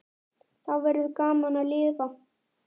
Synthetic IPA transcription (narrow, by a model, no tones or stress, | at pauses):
θaðvɛɾɪðkaːmanalɪːðva